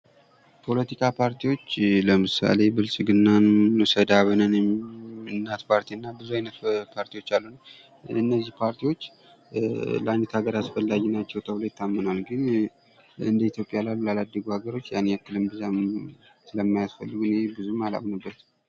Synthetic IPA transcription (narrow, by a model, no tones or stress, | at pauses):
pʰo̞lət̪ikʰʼapʰaɾt̪ʰiwo̞t͡ʃːləmɨsa̰le̞bɨlsʼɡɨnːanːɨsəd̪aβɨnənɛɨnːat̪pʰaɾt̪ʰiɨnːabɨzuajnət̪pʰaɾt̪ʰiwo̞t͡ʃːalːun | ɨnːəzːihpʰaɾt̪ʰiwo̞t͡ʃː | ləʔajnət̪ʰhaɡəɾasfəlːaɡnat͡ʃːɛwt̪ʰəβlo̞jɪt̪ʰːamːɨnalɡɨn | ɨnd̪əit̪jo̞pʼjalalːulalad̪ːəɡuhaɡəɾo̞t͡ʃːjanːeakːɨlɨmbɨza | sɨləmːajasfə̰lːɨɡunebɨzumala̰mnəbːət̪